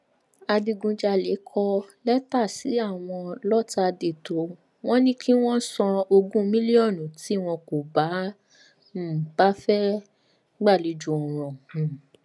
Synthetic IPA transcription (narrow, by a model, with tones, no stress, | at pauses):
a˧di˧ɡũ˧d͡ʒa˧le˨˦kʰɔ˦˧lɛ˦ta˦˨si˨˦a˦˨w̃ɔ̃˧lɔ˦ta˦˧de˨to˨˦ | w̃ɔ̃˦nĩ˦kʰi˦w̃ɔ̃˦sɔ̃˧o˧ɡũ˦mĩ˦li˦ɔ˦˨nũ˨ti˨˦w̃ɔ̃˧ko˨ba˨˦˨ | b̥a˦fɛ˦ | ɡ͡ba˦˨li˨˦d͡ʒu˧˨ɔ̃˨ɾ̃ɔ̃˨